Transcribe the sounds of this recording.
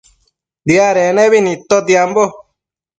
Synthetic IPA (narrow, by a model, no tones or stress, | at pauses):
d̪iaɾeneβinĩt̪od̪jambo